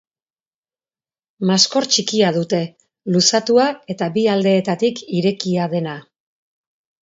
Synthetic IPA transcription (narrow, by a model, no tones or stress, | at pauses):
masko̞ɾt͡ʃikiaðut̪e̞ | lusat̪uae̞t̪aβiald̪e̞ːt̪at̪ikiɾe̞kiað̞e̞na